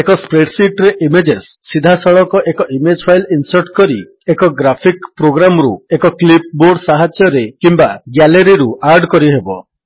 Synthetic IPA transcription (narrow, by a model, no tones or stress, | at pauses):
ekɔspɾeʈsiʈɾeʔimed͡ʒesːid̪ʱasɔɭɔkɔʔekɔʔimed͡ʒpʰajlinsɔɾʈkɔɾi | ekɔɡɾapʰikpɾoɡɾamɾṵekɔklip̚boɾɖsaɦad͡ʒjɔɾekimbaɡaleɾiɾuaɾɖkɔɾiɦebɔ